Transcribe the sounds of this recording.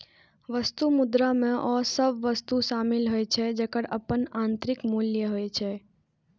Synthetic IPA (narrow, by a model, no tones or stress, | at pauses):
ʋəst̪umʊd̪ɾamẽʔɔːsəbʋəst̪uʃamɪlɦojt͡ʃʰed͡ʒekəɽəpənãnt̪ɾɪkmuljəɦojt͡ʃʰe